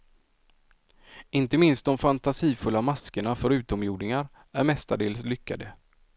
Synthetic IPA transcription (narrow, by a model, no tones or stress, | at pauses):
ɪnt̪əmɪnst̪̚d̪ɔmfant̪asiːfɵlːamaskəɳafœɾʉ̟ːt̪ɔmjuːd̪nɪŋaɾ | æɾmɛst̪aɖeːlslʏkʰːa̰d̪ə